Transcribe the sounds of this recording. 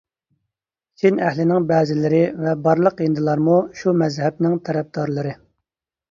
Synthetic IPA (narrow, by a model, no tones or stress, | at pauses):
t͡ʃʲʰinɛhlɪnɪŋbɛːzɪlɪɾɪvɛbɑɾlˠəqind̪ɨlˠɑɾmuʃumɛzhɛb̚nɪŋt̪ʰɛɾɛb̚d̪ɑɾlˠɨɾɨ